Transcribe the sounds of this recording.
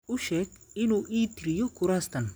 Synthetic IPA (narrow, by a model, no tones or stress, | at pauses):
ʊʃɛːɡɪnuːʔiːt̪ʰɪɾɪjɔɡʊɾaːst̪ʰɐn